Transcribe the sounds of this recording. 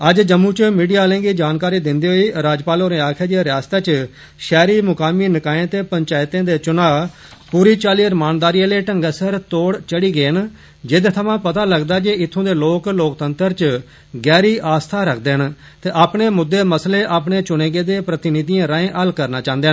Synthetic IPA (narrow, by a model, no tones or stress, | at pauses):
əd͡ʒd͡ʒəmːũːt͡ʃmiːɖijaːlẽːɡiːd͡ʒaːnkaːɾiːd̪ɪnd̪eːɦoːiːɾaːd͡ʒpaːloːɾẽːaːkʰeːd͡ʒeɾɪjaːst̪aːt͡ʃ | ʃɛːɾiːmʊkaːmiːnɪkaːẽːt̪eːpəɲt͡ʃaːɪt̪ẽːd̪eːt͡ʃʊnaː | puːɾiːt͡ʃaːliːəɾmaːnd̪aːɾiːaleːʈəŋɡəsəɾt̪oːɽt͡ʃəɽiːɡeːn | d͡ʒɪd̪t̪ʰəʋãːpət̪aːləɡd̪aːd͡ʒeɪt̪ʰːõːd̪eːloːkloːkt̪ənt̪əɾt͡ʃ | ɡɛːɾiːʔaːst̪ʰaːɾəkʰd̪eːən | t̪eːʔaːpɳeːmʊd̪ːeːməsleːʔaːpɳeːt͡ʃʊneːɡeːd̪eːpɾət̪ɪnɪd̪ijãːɾaːẽːʔəlkəɾnaːt͡ʃãːnd̪eːɦn